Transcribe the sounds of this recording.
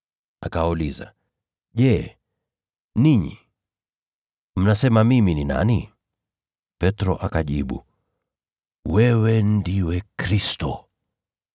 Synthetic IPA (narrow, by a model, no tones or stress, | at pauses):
akawauliza̰ | ʄɛ | niɲḭ | m̩nasɛmamiminina̰ni | pɛtɾɔʔakaʄiɓṵ | wɛwɛn̩diwɛkɾistɔ